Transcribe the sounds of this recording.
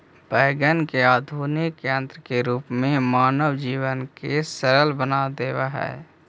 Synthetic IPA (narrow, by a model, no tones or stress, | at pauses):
b̥ɛːɡənkeaːd̪ʱuːnɪkːjə̃nt̪ɾəkeɾuːpmẽmaːnəwd͡ʒiːwənkesəɾəlbənad̪eːwaɦɛ̰ː